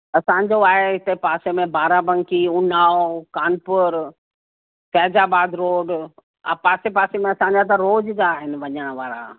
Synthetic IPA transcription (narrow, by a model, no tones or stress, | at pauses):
ɐsãːɲd͡ʑoaːɦeɪt̪epaːsemẽbaːɾabə̃ŋkiʊnaːokaːnpʊɾ | fɛːd͡ʑaːbaːd̪ɾoːɖ | a̰paːsepaːsemẽɐsãɲd͡ʑat̪ɐɾoːd͡ʑd͡ʑaːɦɪnɪ̆ʋɐɲəɽ̃ʋaːɾa̰